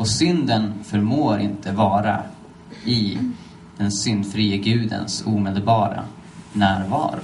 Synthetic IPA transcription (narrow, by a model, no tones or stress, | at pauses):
ɔsʏnd̪ənfœɾmoːɾɪ̰nt̪əvɑːɾa̰ | ɪ | d̪̥ɛnsʏnd̪fɾiːəɡʉ̟ːd̪ə̰nsuːmeːd̪əlbɑːɾa̰ | næːɾvɑ̰ːɾʊ